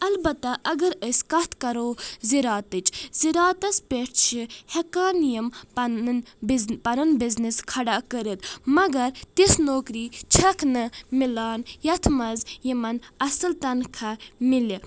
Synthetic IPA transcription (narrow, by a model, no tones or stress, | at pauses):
ɐlbɐt̪ɐʔɐɡɐɾəskɐt̪ʰkɐɾoːziɾaːt̪ɨt͡ʃziɾaːt̪ɐspʲeʈʰt͡ʃʰihekaːnijɐm | pɐɾɐnbizniskʰɐɖakəɾit̪mɐɡɐɾt̪isnoːkɾiːt͡ʃʰɐkʰnɨmilaːnjɐt̪ʰmɐzjimɐnɐsɨlt̪ɐnkʰɐmili